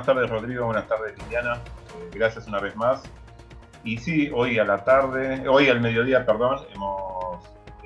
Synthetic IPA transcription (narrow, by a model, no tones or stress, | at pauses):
nast̪aɾðero̞ð̞ɾiɣo̞βwenast̪aɾðelind̪janaeɣɾasjasunaβezmas | isiojalat̪aɾðeojalme̞ð̞jo̞ðiapeɾðo̞nemos